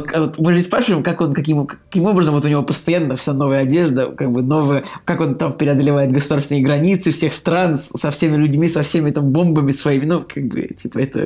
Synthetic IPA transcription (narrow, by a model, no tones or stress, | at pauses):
vot̪mɨʐdʲespɾaʂɨvəɪmkako̞nkɐkʲimkːkʲimo̞bɾəzəmvot̪ʊnʲɪvo̞pəst̪ɐjanːəfsʲano̞vəjəɐdʲe̞ʐd̪əkaɡ̚bɨno̞vɨjəkako̞nt̪ampʲɪɾʲɪɐd̪əlʲɪvajɪt̪ɡəsʊd̪aɾst̪vɪnəjəɡɾɐnʲit̪sɨfsʲe̞xst̪ɾanssɐfsʲemʲɪlʲʉdʲmʲisɐfsʲemʲɪt̪ambo̞mbəmʲɪsvɐimʲɪnukʰaɡ̚bɨ̰tʲipəɛt̪ə̰